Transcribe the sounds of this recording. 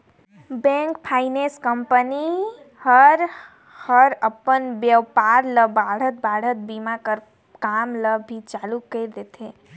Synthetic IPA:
bɛ̃ŋkpʰaːɪnẽskəmpəni | həɾ | həɾəpənʋjəwpaːɾləbaːɽ̤ət̪̚baːɽ̤ət̪̚bimakəɾ | kaːmləbʱit͡ʃaːlukəɾd̪et̪ʰeː

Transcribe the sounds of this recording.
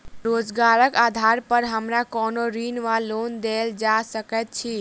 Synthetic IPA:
ɾod͡ʒɡaɾəkad̪ʱaɾpəɾɦəmɾakɔnoɾinʋalond̪eld͡ʒasəkɛt̪̚t͡ʃʰi

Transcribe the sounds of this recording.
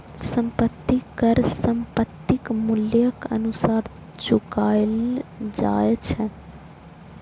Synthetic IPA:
səmpət̪ːikəɾsəmpət̪ːɪkmʊljəkə̰nusaːɾ | t͡ʃʊkaːjld͡ʒa̰ːjet͡ʃʰə

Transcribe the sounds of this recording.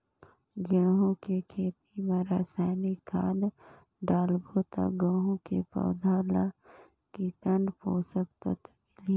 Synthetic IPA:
ɡaːɦõkekʰeːt̪imaɾaːsaːnikʰaːd̪ | ɖaːlbot̪a̰ɡəːɦõkepə̰wd̪ʱaːla | kit̪ənɖpoːsək̚t̪ət̪kl

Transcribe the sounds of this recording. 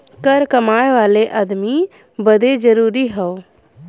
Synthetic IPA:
kəɾkəmaːeʋaːleʔəd̪mi | bəd̪ed͡ʒəɾuːɾiɦɛoː

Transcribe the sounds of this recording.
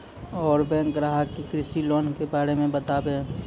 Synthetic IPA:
ɔːɾbɛ̃ːŋkɾaːɦakːikɾɪsilɔːnkebaːɾemẽbət̪aːbeː

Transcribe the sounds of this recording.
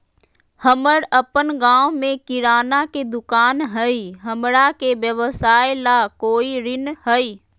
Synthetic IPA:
həməɽəpənɡãːwmẽkɪɾaːnaked̪ʊkaːnɦəiɦəmɽakeʋjəʋəsaːelakoːiɾɪnɦəiː

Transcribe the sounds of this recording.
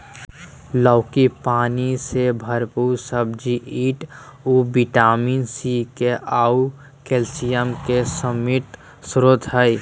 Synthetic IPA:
ləʊkipaːnisebʱəɾpuɾsəbd͡ʒiʔiːʈubiʈaːmiːnsikeau | keːlsijəmkesəmit̪ | sɾod̪ʱɦəj

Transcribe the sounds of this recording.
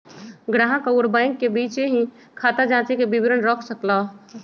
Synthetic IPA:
ɡɾaːɦãkaʊɾbaːɪ̃ŋkːebiːt͡ʃeɦĩ | kʰaːt̪ad͡ʒãːt͡ʃikebɪbɪɾənɾɔːkʰsəkla

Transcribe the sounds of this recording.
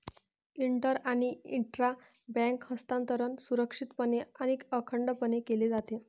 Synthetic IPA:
iɳʈəɾaɽ̃iiɳʈɾa | bɛ̃ŋkhəst̪ant̪əɾənsuɾəkʂit̪pəneəñikəkʰəɳɖpənekeled͡zat̪e

